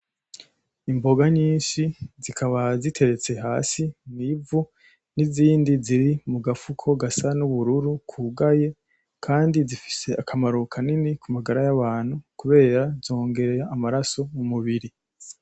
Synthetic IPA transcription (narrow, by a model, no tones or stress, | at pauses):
imbo̞ɡaɲiːnʃizikʰaβazitʰe̞ɾe̞t͡se̞ɦaːsinivu | niziːndiziɾimuɡafukʰo̞ɡasanuβuɾuɾukʰuɡaje̞ | kʰaːndizifi̥se̞akʰamaɾukʰaninikumaɡaɾajaβaːn̥hukuβe̞ːɾazo̞ːŋɡe̞ɾe̞ɾaːmaɾaso̞mumuβiɾi